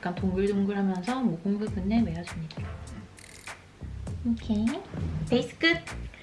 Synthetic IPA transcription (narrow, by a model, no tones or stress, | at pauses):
k͈antoŋɡɯɭdoŋɡɯɭɦamjʌnsʰʌmoɡoŋɡɯbunːemejʌd͡ʑumɲida | okʰepeisɯ̥k͈ʰɯp̚